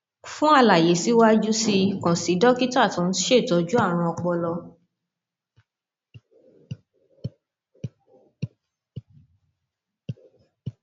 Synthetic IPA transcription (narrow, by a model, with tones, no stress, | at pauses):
fũ˦a˧la˨je˨˦si˨˦wa˦d͡ʒu˦si˧kɔ̃˨si˨˦dɔ˦ki˦ta˦˨tɔ̃˨˧n̩˦ʃe˦˨tɔ˨˧d͡ʒu˦a˦˨ɾ̃ũ˧ɔ˧k͡pɔ˧lɔ˧